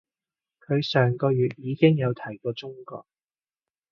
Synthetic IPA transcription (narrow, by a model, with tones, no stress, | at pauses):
kʰɵ˨˧ɥsœː˨˩ŋkɔː˧jyː˨t̚jiː˨˧kɪ˥ŋjɐ˨˧wt̪ʰɐ˨˩jkɔː˧t͡ʃʊ˥ŋkɔ̰ː˧k̚